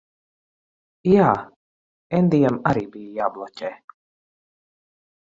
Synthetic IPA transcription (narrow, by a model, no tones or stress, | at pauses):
jaː | ɛnd̪ijɛmaɾiːbijjaːblˠɔcʲɛː